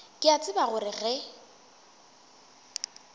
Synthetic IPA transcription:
kʼɪat͡sʼɪbaɣʊɾɪɣɛ

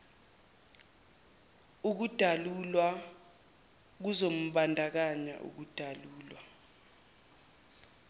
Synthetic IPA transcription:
uk̬ud̥ʱalulwa | k̬uzom̩ɓandʱak̬aɲa̰ʔṵk̬ud̥ʱaluːlwa

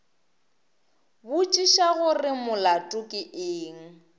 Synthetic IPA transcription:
bʊt͡ʃʼiʃaɣʊrɪmʊlatʼʊkʼɪʔeːŋ̩

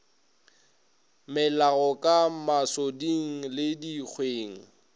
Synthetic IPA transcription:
mɪlaɣɔkʼamasodiŋ̩lɪdik͡xʰweːŋ̩

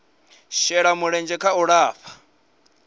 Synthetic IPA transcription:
ʃɛɺamuɺɛnd͡ʒɛkʰauɺaːɸḁ

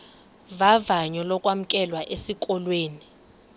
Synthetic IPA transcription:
vavaɲɔlɔkʼwam̩kʼɛlwaʔesikʼɔlweːni

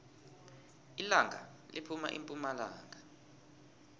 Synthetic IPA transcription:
ilaŋʱa̰ | lipʰuma̰ʔimpʼumalaːŋɡʱa

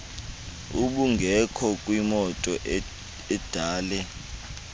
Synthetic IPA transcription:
uɓuŋɡʱɛkʰɔkʼwimɔtʼɔ | ɛd̥ʱaːlɛ

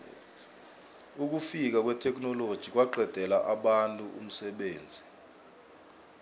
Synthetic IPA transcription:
uk̬ufik̬ak̬wɛtʰɛk̬ʼnɔlod̥ʒ̥ʱik̬ʼwaǃʱɛd̥ʱɛlaʔaɓantʼuʔṵm̩sɛɓeːnd͡zʱi

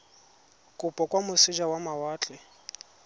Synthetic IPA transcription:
kʼʊpʼɔkʼwamʊsɪd͡ʒawamawaːt͡ɬʼɛ

